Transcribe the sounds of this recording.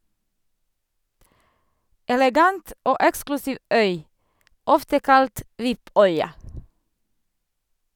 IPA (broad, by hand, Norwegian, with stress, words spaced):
ɛlɛˈɡɑnt ˈoː ˈɛksklʉsiːʋ ˈœʏ ˈɔftə ˈkɑlt ˈʋɪˌpœʏɑ